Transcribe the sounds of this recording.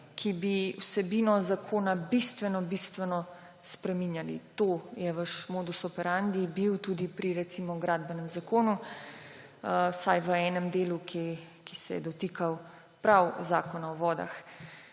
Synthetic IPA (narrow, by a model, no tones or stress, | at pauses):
kʰibiwsɛbinɔzakʰoːnabist̪ʋɛnɔbist̪ʋɛnɔ | spɾɛminjalḭt̪oːjɛʋəʃmoːd̪usɔpɛɾand̪ibiwt̪uːd̪ipɾiɾɛt̪simɔɡɾaːd̪bɛnɛmzakoːnu | sajʋəɛːnɛmd̪eːlukʰe | kisɛ̰jɛ̰d̪ɔt̪iːkʰaw | pɾawzaːkɔnaɔʋɔːd̪a̰x